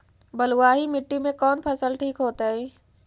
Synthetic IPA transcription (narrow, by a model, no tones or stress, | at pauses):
bɐluwaːɦimɪʈːimẽkɔːnpʰɐsəlʈʰiːkɦoːt̪aɦɛː